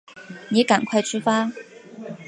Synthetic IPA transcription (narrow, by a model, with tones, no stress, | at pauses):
niː˨˥kɐ˨˩nkʰɐ˧jt͡sy˥faː˥